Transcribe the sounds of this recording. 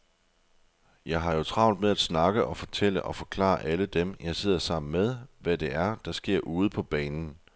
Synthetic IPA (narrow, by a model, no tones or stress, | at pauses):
jɑ̈ɪɦɑ̈jo̝t͡sʰʁɑ̈ʊnd̥meðˠæd̥snɑ̈ɡ̥əʔɒ̽fɒ̽t͡sʰel̰əʔɒ̽fɒ̽kʰlɑ̰̈ːʔæləd̥emjɑ̈ɪse̝ð̞̰ˠɐsɑ̈m̰n̩meðˠʋæd̥e̝ʔæɐd̥ɑ̈sɡ̥e̝ɐ̰ʔuːð̞̩ˠpʰɒ̽b̥ɛːnn̩